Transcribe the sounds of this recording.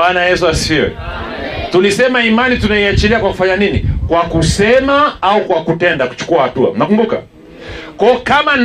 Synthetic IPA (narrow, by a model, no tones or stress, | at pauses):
anajɛsuasiɔ̰ | tulisɛmaimanitunaiat͡ʃiliakwaku̥faɲaninikwakusɛmaaukwakutɛndaku̥t͡ʃu̥kuahatua̰mnakumbuka̰ | kwɔɔkaman